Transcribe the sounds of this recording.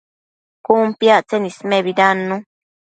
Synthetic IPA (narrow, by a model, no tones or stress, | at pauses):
kumpjaʔt͡senismeβidanũ